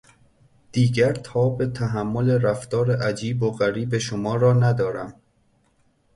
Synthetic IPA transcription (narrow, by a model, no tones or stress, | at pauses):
d̪̥iːɟæɾt̪ʰɒːbe̞t̪ʰæɦæmːo̞le̞ɾæft̪ɒːɾeʔæd͡ʒiːboɣæɾiːbe̞ʃomɒːɾɒːnæd̪ɒːɾæm